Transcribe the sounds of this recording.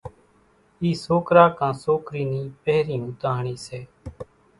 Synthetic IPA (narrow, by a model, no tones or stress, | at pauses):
iːsoːkɾaːkãːsoːkɾiːniːpɛːɾiːũːt̪aːɳiːseː